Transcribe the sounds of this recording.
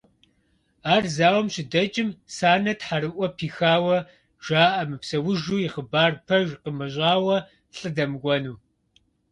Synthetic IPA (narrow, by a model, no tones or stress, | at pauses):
aːrzaːwɔmɕɪdɐt͡ʃʼɪmsaːnɐtħaɾɨʔʷɔpʰiːxaːwɐ | ʒ̥ʷaːʔɐmɨpsɐwʊʒuːjɪχəbaːrpʰɐʒqəmɐɕʷʼaːwɐ | ɬʼɨdɐmɡʷɔnuː